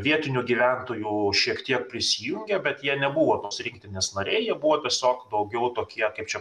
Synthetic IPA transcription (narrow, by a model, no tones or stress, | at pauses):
ʋʲiɛt̪ʲɪnʲuɡʲiːʋʲænt̪oːjuːʃʲiɛkt̪ʲiɛkpʲɾʲɪsʲijʊŋʲɡʲɛbʲɛt̪jiɛnʲɛbuʋoːt̪oːsɾʲɪŋk̚t̪ʲɪnʲeːsnɐɾʲɛɪjiɛbuʋoːt̪ʲiɛsʲoːkd̪ɐʊɡʲɛʊt̪oːkʲiɛkɐɪpt͡ʃʲɛ